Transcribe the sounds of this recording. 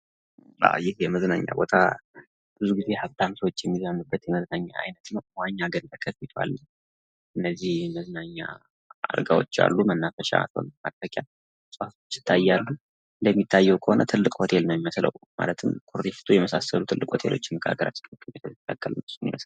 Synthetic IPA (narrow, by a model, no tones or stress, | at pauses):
a̰wjɪhjɛməznaɲːa̰bo̞t̪ʰa | b̥ɨzuɡize̞haft̪ʰamsəwot͡ʃːjɛmːizənːubːət̪jɛməznaɲːaʔa̰jnət̪nəwwaɲːaɡəntəkʰːəffit̪ʰa̰lːəɲ | ʔɨnːəzːihməznaɲːa̰ | a̰ɾɡa̰wot͡ʃːa̰lːumənːafəʃa̰t̪ʰo̰nmatt̪əkʼja | sʼhafot͡ʃːɪ̥t̪ʰːajːalːu | ləmːit̪ʰːajːɛwkʰəho̞nət̪ʰɨlːɨkʼho̞t̪ʰe̞lnəwmiməslə̰wma̰lət̪ʰɨmkʰuɾd̪ifi̥t̪ʰojɛməsasəlut̪ʰɨlːɨkʼho̞t̪ʰe̞̰lo̞̰t͡ʃːɪməkʰa̰ɡəɾa̰t͡ʃːkt̪ʰʼumit̪ʰokʼːakʼːələɨsumḭməsla